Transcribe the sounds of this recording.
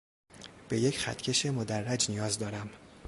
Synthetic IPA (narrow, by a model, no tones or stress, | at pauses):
b̥e̞je̞cxæ̰t̪ʰcʰe̞ʃe̞mod̪ærːæd͡ʒnijɒːzd̪ɒːɾæm